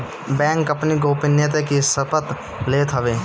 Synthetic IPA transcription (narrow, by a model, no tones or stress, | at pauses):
bɛ̃ːŋkɐpniɡoːpɪnjət̪̬ekisəpət̪ | leːt̪ɦəʋeː